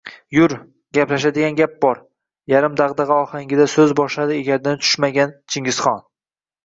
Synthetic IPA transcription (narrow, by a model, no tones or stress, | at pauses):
jʊɾ | ɡʲaplaʃ̬ad̪ɪɡʲanɡʲap̚bɒɾ | jaɾɪmd̪aʁd̪ɑʁɑɒhaŋʲɪd̪asɵzbɒʃlad̪ɪeɡʲaɾd̪ant̪ʰʊ̥ʃmaɡʲant͡ʃʰɪŋɡʲɪz̥χɒn